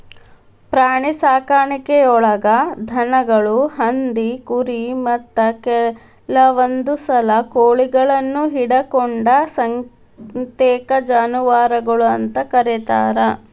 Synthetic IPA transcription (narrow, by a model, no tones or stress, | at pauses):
pɾaːɳisaːkaːɳikɛɔɭɐɡɐd̪ʱɐnɐɡɐɭuhɐnd̪ikuɾimɐt̪ːɐkɛ | lɐʋond̪usɐlɐkoːɭiɡɐɭɐnːuɦiɽɐkɔɳɖɐsɐŋ | t̪ɛːkɐd͡ʒaːnuʋaːɾɐɡɐɭuɐnt̪ɐkɐɾit̪aːɾɐ